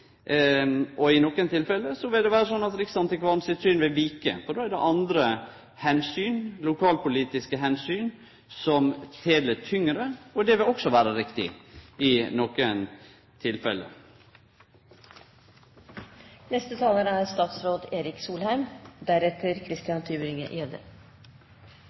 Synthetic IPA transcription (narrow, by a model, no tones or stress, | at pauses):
ʔɔɪnɔkənt̪ʰɪlfɛlːəsɔʋɪld̪ɛʋæːɾəsɔnːɑt̪ɾɪksɑnt̪ʰɪkʋɑnsɪt̪syːnʋɪlʋiːkə̰fɔɖ̪oːæɖɛ̰ʔɑnd̪ɾə | hɛnsyːnlʊkʰɑːlpʊliːt̪ɪskəɦɛnsyːn | sɔmt̪ʰeːlət̪ʰʏŋːɾəɔd̪ɛʋɪlɔksɔʋæːɾəɾɪkt̪ɪ̰ɪnɔkən | t̪ʰɪlfɛlːə̰ | nɛst̪ət̪ʰɑːlənəæɾst̪ɑːt̪sɾoːd̪eːɾɪksuːlhæɪmd̪æɾɛt̪ʰəɾkʰɾɪst̪ɪɑnt̪ʰyːbɾɪŋə̰ʔɛd̪ə̰